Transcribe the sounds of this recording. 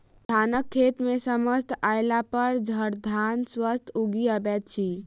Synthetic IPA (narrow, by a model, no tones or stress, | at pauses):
d̪ʱanəkʰːet̪mesəməst̪ajlapəɾd͡ʒʱəɾd̪ʱanswəst̪ʰuɡiəbɛt̪̚t͡ʃʰi